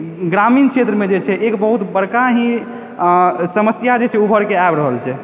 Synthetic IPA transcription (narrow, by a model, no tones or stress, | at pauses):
ɡɾamint͡ʃʰet̪ɾəmed͡ʒet͡ʃʰɛʔekbəɦut̪bəɽkaɦĩ | səməsjad͡ʒet͡ʃʰɛubʱəɾkeaebɾəɦəlt͡ʃʰɛ